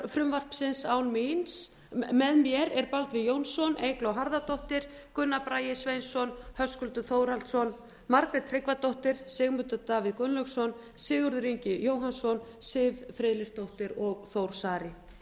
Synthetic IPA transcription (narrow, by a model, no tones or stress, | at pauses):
fɾʏmvar̥psɪnsawnmins | mɛðmjɛɾɛɾpalt̪vɪðjoːwnsɔneːjklowɦaɾðat̪owht̪ɪɾ̥kʏnːapɾaːjɪsvejnsɔnhœskʏlt̪ʏθoːwɾalt̪sɔn | maɾkɾɛt̪t̪ʰɾɪkvat̪owht̪ɪɾ̥sɪːɣmʏt̪ʏt̪aːvɪðkʏnlœksɔn | sɪːɣʏɾðʏɾiɲcɪjoːwɦansɔnsɪvfɾɪðlɪst̪owht̪ɪɾɔɣθowɾ̥saːɾɪ